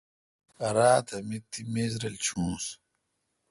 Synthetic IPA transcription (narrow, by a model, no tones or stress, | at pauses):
ɐɾaːt̪ʰɐmit̪ːimeːzɾɐlt͡ɕʰũːs